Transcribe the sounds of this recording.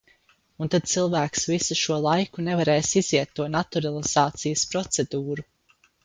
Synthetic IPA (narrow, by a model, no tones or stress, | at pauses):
unt̪ad̪̥̚t̪silˠvæːksvisuʃuɔlˠajkunevaɾɛːsiziɛt̪ːuɔnat̪uɾalˠiz̥aːt̪sijəspɾɔt̪sed̪uːɾu